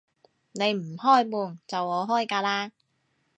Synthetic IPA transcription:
ne˨˧jm̩˨˩hɔː˥˩jmuː˨nt͡sɐ˨wŋɔː˨˧ɦɔː˥˩jkaː˧laː˥

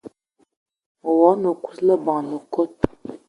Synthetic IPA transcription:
wɔ˨˦nə˨ku̥˦slə˦bɑ̃˨nə˨ko˦˨t̚

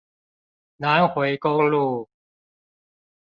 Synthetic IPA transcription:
naː˦˥ŋhʰo˨˩˦jko˧ŋluː˧˩

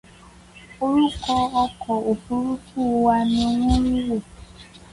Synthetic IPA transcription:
o˦ɾu˦kɔ˧ɔ˧kʰɔ˨o˨ku˨ɾu˦ku˦˨˦wa˧nĩ˧˦ŋũ˦ji˦we˦˨

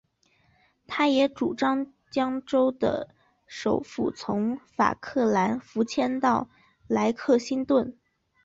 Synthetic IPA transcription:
t̪ʰa˥jɛ˧˥ʈ͡ʂu˨˩ʈ͡ʂɑ˥ŋ | t͡ɕjɑ˥ŋʈ͡ʂo˥ʊd̪ə̰˨ | ʂo˨˩ʊfṵ˥˩t͡sʰʊ˧˥ŋfa̰˨˩kʰɤ˥˩la˧˥nfu˧˥t͡ɕʰjɛ˥nt̪ɑ˥˩ʊ | la˧˥ɪkʰɤ˥˩ɕi˥nt̪wə˥˩n

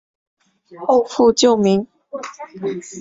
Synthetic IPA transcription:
o˥˧ʊfu˥˧t͡ɕjo˥˨ʊmi˨˧˦ŋ

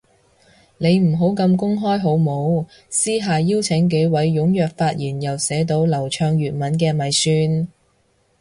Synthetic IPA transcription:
ne˨˧jm̩˨˩ɦo˨˥wkɐ˧mkʊ˥ŋɦɔː˥jɦo˨˥wmo˨˧w | siː˥ɦaː˨jiː˥wt͡sʰɪ˨˥ŋk̬e˨˥jwɐ˨˥jːʊ˨˥ŋjœː˨k̚faː˧t̚jiː˨˩njɐ˨wsɛː˨˥t̪o˧wlɐ˨˩wt͡ʃʰœː˧ŋjyː˨t̚mɐ˨˥nk̬ɛː˧mɐ˨˧jsyː˧n

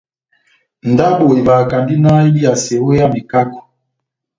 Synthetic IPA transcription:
n˨da˦bo˨i˨βa˨ka˨ndi˦na˦i˦li˦a˨se˨wo˦ja˦mi˨ka˦kɔ̥˨

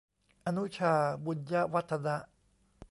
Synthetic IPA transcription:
a˨nu˦t͡ʃʰa˨bu˨d͡ʒa˦wa˦t̪ʰːada˦

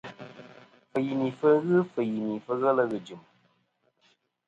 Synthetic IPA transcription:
fə˨ji˨mi˨fə˦ɣɨ˦fɨ˨ji˨mi˨fə˧ɣə˦lə˧ɣɨ˨d͡ʒɨ˨m

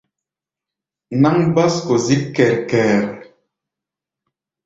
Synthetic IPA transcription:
na˦ŋba˦sko˨zi˦kːɛ˨ɾkɛː˨ɾ

